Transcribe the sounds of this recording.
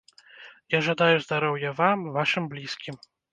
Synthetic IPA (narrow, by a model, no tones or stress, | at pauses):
jaʐad̪ajuzd̪aɾɔwjɐvamvaʂɨmblʲiskʲim